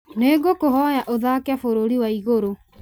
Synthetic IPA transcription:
neɡokoɦɔjaʔoðaːkafoɾoɾiwaiɣoɾo

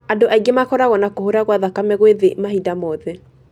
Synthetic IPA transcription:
adoʔaiɡemakɔɾaɣɔnakohoɾaɣwaðakamɛɣweðemahidamɔðɛ

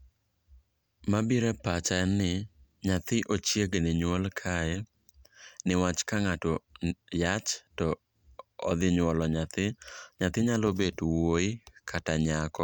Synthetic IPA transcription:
mabiɾɛpat͡ʃanɪ | ɲat̪ɪʔot͡ʃjeɡnɪɲwolkʰaɛ | nɪwat͡ʃkaŋatɔjat͡ʃtɔ | ɔ̰d̪ɪɲwɔlɔɲat̪ɪɲat̪ɪɲalobedwoɪkʰataɲakɔ

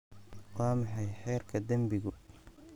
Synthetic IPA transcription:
qɑːmħɑjħɛːrkʰɐd̪ɐmbɪɣʊ

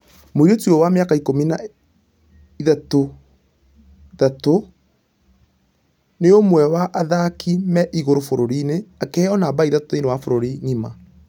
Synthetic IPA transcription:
moiɾotiɔwameakaikomina | iðato | ðato | neomwɛwaʔaðakimɛʔiɣoɾofoɾoɾineakɛɔnaːbaiðatoinewafoɾoɾiɲima̰

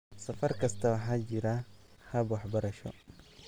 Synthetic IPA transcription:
sɐfɐrkʰɐst̪ʰɐwɑħaːt͡ʃɪɾɐhɐbwɑħbɐɾɐʃɔ̰

